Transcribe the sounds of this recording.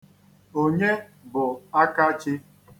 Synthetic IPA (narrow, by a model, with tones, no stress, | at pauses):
o˦ɲe˦bʊ˨a˦ka˦t͡ʃɪ˦